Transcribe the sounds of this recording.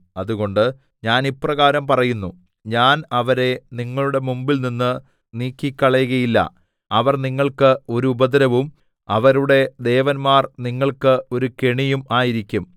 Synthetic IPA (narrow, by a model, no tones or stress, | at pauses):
ɐðuɣo̞ɳɖɨ | ɲaːniprɐɣaːɾɐmpɐrɐjunːu | ɲaːnɐʋɐɾe̞niŋːɐɭuɽe̞mumbilninːɨ | niːkːikʲːɐɭɐjɣɐjilːɐ̰ | ɐʋɐrniŋːɐɭkɨo̞ɾuːbɐd̪ɐɾɐʋum | ɐʋɐɾuɽe̞d̪e̞ːʋɐnmaːrniŋːɐɭkɨo̞ɾukeɳijumaːjiɾikʲːum